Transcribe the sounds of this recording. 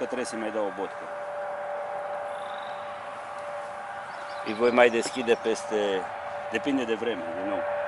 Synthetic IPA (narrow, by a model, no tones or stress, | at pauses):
kat̪ɾɛsɛmajd̪aobɔt̪ka | iɡojmajd̪ɛskʲid̪ɛpɛst̪ɛ | d̪ɛpind̪ɛd̪ɛvɾɛmɛɛno